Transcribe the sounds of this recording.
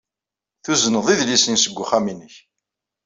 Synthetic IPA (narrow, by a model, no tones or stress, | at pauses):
θuzənəðˤiðlisinsəɡʷːʊχæminəç